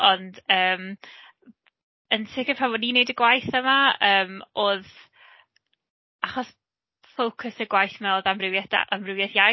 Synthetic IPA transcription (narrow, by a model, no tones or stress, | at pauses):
ɔndəːm | ənsʰɪkəpʰravɔniːnejdəɡwajθəmaəːmoːð | aχɔs | fowkʰəsəɡwajθmɛlˠðamrɪvjada̰ʔamrɪwvjaθja